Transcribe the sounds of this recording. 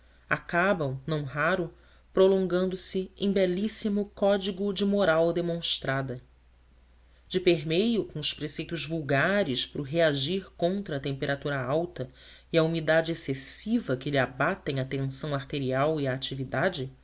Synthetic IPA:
akabɐ̃w̃nɐ̃w̃ɦaɾʊ | pɾolõŋɡɐ̃nd̪ʊsɪẽj̃bɛlisimʊkɔd͡ʒiɡʊd͡ʒɪmoɾawd̪emõʃt̪ɾad̪ɐ | d͡ʒɪpeɾmejʊkõʊʃpɾesejt̪ʊzvuwɡaɾɪʃpɾʊɦeaʒiɾkõnt̪ɾɐːt̪ẽmpeɾʔat̪uɾɐawt̪ɐiɐumid̪ad͡ʒɪesesivɐkɪliabat̪ẽj̃ɐt̪ẽsɐ̃w̃aɾt̪eɾiawiaːt͡ʃivid̪ad͡ʒɪ

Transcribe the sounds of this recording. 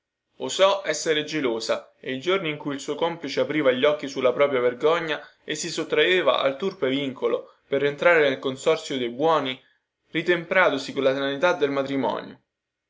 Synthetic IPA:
osɔʔɛsːeɾed͡ʒeloːsaeild͡ʒorniːŋkuilsuːokɔmplit͡ʃeapɾiːvaʎːɔk̟ːisulːapɾɔːpɾjaverɡɔɲːaesːisot̪ːɾaeːva̰ʔa̰lt̪urpeviŋkolo | perːent̪ɾaːɾenelkonsɔrt̪sjod̪ejbwɔːni | rit̪empɾaːt̪osikolːasanit̪ad̪ːelmat̪ɾimɔ̰ːnjo̰

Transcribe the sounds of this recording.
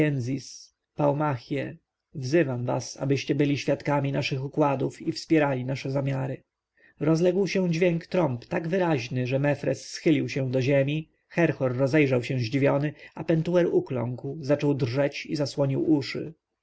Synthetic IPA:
ɛnzis | pawmaxʲjɛ | vzɘvamva̰sa̰bɘɕt͡ɕɛbɘlʲiɕfʲjat̪kamʲinaʂɘxukwad̪ufifspʲjɛɾalʲinaʂɛzamʲjaɾɘ | ɾɔzlɛɡwɕɛ̃d͡ʑvʲjeŋkt̪ɾɔmpt̪aɡvɘɾaʑnɘʐɛmɛfɾɛsːxɘlʲiwɕɛ̃d̪ɔʑemʲi | xɛɾxɔɾːɔzɛjʐawɕɛ̃ʑd͡ʑivʲjɔnɘapɛnt̪uɛɾuklɔ̰ŋkwzat͡ʂɔwd̪rʐɛt͡ɕizaswɔɲiwʔuʂɘ̰

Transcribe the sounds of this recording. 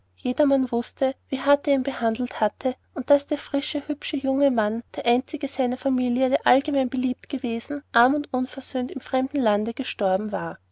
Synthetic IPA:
jeːdɐmanvʊstʰəviːɦatəiːmbəhandl̩thatʰəʔʊnt̚d̥asd̥eːɐfʁ̥ɪʃəhʏpʃəjʊŋəmand̥eːɐʔaɪnt͡sɪɡəzaɪnɐfamiːljədeːɐʔalɡəmæɪnbəliːp̚tɡ̥əveːzn̩ʔaɐmʊntʔʊnfɛɐz̥øːntɪmfʁ̥ɛmd̥n̩landəɡ̥əʃtɔɐbm̩vaːɐ

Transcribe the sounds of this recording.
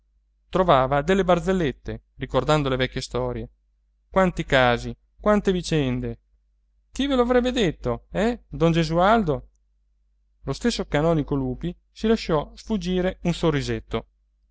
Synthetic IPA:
t̪ɾovaːvad̪elːebard̪zelːet̪ːe | rikord̪and̪olevɛkːjest̪ɔːɾje | kwant̪ikaːzi | kwant̪evit͡ʃɛnd̪e | kiveloavɾɛbːed̪et̪ːoɛd̪ɔnd͡ʒezuald̪o | lost̪esːokanɔːnikoluːpi | silaʃːɔsfud͡ʒːiːɾeunsorːizet̪ːo

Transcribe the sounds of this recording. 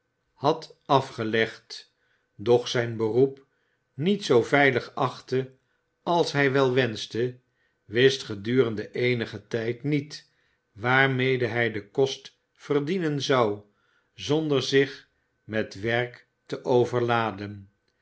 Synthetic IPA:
hɑtɑfχəlɛχt | dɔχsɛjnbərup | nitsowvɛjləχɑχtə | ɑlˠsɦɛjʋɛlˠʋɛnstə | ʋɪstχədyːrəndəʔejnəχətɛjtnit | ʋaːɹmejdəɦɛjdəkɔst | fərdinənzɑw | zɔndəɹzɪχ | mɛtʋɛɹk | təʔowvəɹlaːdən

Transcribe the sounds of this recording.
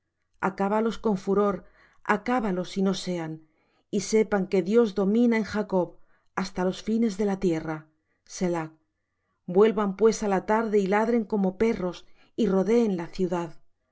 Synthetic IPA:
a̰kaβalo̞sko̞ɱfuɾo̞ɾ | a̰kaβalo̞sino̞se̞an | ise̞paŋke̞ðjo̞zðo̞mĩnaeŋxako̞β | ast̪alo̞sfine̞zðe̞lat̪je̞ra | se̞lak̚ | bwe̞lβampwe̞salat̪aɾðe̞ilaðɾe̞ŋko̞mo̞pe̞ro̞s | iro̞ðe̞ːnlaθjuðað

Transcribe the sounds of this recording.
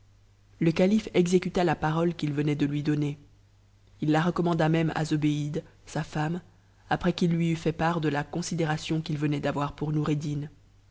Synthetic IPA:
ləkalifɛɡzekʲyt̪alapaʁɔlkʲilvənɛd̪əlɥid̪ɔne | ilːaʁəkɔmɑ̃d̪amɛma̰zobeid̪safam | apχɛkilːɥiyfɛpaʁd̪əlakɔ̃sid̪eʁasjɔ̃kilvənɛd̪avwaʁpuʁnuʁed̪in

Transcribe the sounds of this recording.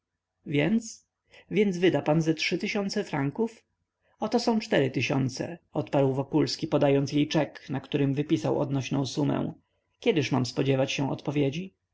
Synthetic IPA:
vʲjɛnt̪s | vʲjɛnzvɘd̪apanzɛtʂɘt̪ɘɕɔ̃nt̪sɛfɾaŋkuf | ɔt̪ɔsɔ̃w̃t͡ʂt̪ɛɾɘt̪ɘɕɔ̰nt̪sɛ̰ɔt̪paɾwvɔkulskʲipɔd̪ajɔnt̪sjejt͡ʂɛknakt̪uɾɘmvɘpʲisawɔ̰d̪nɔɕnɔ̃w̃sumɛ̰w̃ | kʲɛd̪ɘʂmamspɔd͡ʑɛvat͡ɕɕɛw̃ɔ̰t̪pɔvʲjed͡ʑi

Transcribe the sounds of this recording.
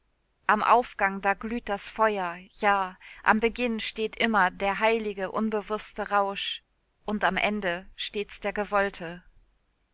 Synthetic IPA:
ʔamʔa̰ʊfɡ̥aŋdaːɡlyːt̚d̥asfɔʏɐjaːʔa̰mbəɡɪnʃteːtʔɪmɐdeːɐɦaɪlɪɡəʔʊnbəvʊstəʁaʊʃ | ʔʊntamʔɛndəʃteːt͡sd̥eːɐɡəvɔltʰə

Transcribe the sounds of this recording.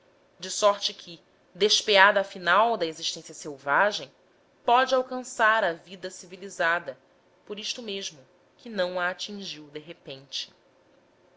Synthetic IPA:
d͡ʒɪsɔɾt͡ʃɪkʲʰɪ | d̪eʃpead̪ɐːfinawd̪ɐeziʃt̪ẽsjɐsewvaʒẽj̃ | pɔd͡ʒɪawkɐ̃saɾɐvid̪ɐsivilizad̪ɐ | poɾiʃt̪ʊmeʒmʊ | kɪnɐ̃w̃ɐːt͡ʃĩŋʒiwd̪eɦepẽnt͡ʃɪ̥

